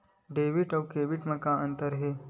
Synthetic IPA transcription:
ɖeːʋiʈɐwkeːʋiʈmɐ̃kãɐ̃nt̪əɾɦe

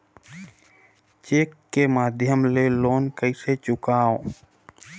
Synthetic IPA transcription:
t͡ʃeːkːemaːd̪ʱjəmleloːnkəiset͡ʃʊkaːo

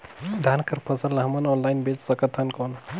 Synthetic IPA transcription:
d̪ʱankəɾpʰəsəlːɐɦɐmɐnɔnlajnbet͡ʃsəkət̪ʰɦənkon

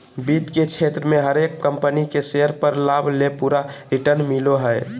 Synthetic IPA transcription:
bit̪ket͡ʃʰet̪ɾəmẽɦəɾekkəmpənikeseəɾpəɾlaːbʱlepuːɾaɾiʈəɾnmiloɦəe

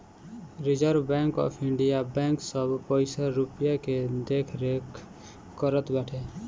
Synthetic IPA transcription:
ɾɪd͡ʒəɾʋbɛ̃ːŋkɔ̰ːpʰɪɳɖijabɛ̃ːŋksəbpəɪsaɾʊpjaked̪eːkʰɾek | kːəɾət̪bɛːʈʰeː

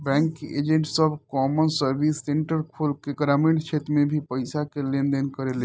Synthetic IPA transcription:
bɛ̃ŋkḛd͡ʒẽɳʈsəbʱkɔmənsəɾbisːeɳʈəɾkʰulkeɡɾamẽɳʈt͡ʃʰet̪ɾmebʱipəɪsakelẽnd̪ənkəɾele

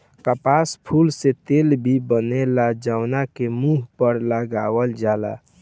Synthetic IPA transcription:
kəpaspʰulset̪elbʱibənelad͡ʒaʊnakemuɦpəɾləɡawəld͡ʒala̰

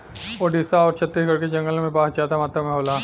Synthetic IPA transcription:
oːɾɖɪsaɔːɾt͡ʃʰɐt̪ːiːsɡɐɽked͡ʒɐ̃ŋɡəlmẽpaːsd͡ʒaːt̪amaːt̪ɾamẽɦoːlaː

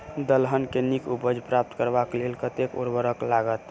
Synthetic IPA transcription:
d̪əlɦənkenikubəd͡ʒpɾap̚t̪kəɾbaklelkət̪ekṵɾbəɾəklaɡət̪

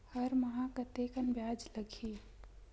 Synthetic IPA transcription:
həɾməɦãkət̪ekənbjad͡ʒləɡʰi

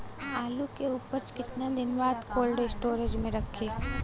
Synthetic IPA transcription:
aːlukeupəɾt͡ʃkɪt̪nad̪ɪnʋaːd̪koːlɖesʈoːɾed͡ʒmẽɾəkʰeː

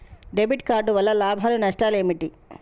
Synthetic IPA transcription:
ɖebʱiʈ̚kaːɾɖuʋɐlːɐlaːbʱaːlunɐʂʈaːleːmiʈi

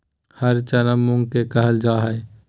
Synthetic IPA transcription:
həɾt͡ʃənəmːʊ̃ŋɡkekəɦəld͡ʒaːɦəe

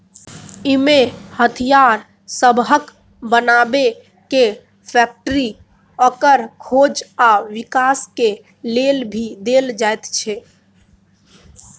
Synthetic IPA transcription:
imehət̪ʰijaɾ | səbɦək | bənabe | ke | pʰɛk̚ʈəɾi | əkəɾkʰod͡ʒaʋikaske | lelbʱid̪eld͡ʒajt̪t͡ʃʰɛ

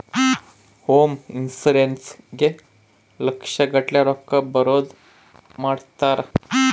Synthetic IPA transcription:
hominsulensɡe | ləkʂəɡəʈljaɾɔkːəbəɾod͡z | maɽt̪aɾ

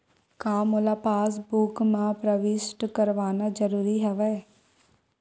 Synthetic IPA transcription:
kaːmoːlaːpaːs̬bukmãːpɾəʋɪʃʈkəɾʋaːnaːd͡ʒəɾuːɾiːɦɛʋɛː

